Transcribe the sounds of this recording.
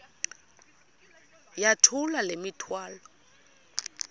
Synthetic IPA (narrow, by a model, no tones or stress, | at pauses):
jatʰʊlalemitʰwaːlɔ